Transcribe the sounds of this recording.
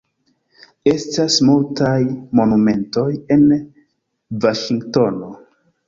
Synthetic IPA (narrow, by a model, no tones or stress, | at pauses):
e̞stasmultajmo̞nume̞nto̞je̞n | vaʃiŋɡto̞no̞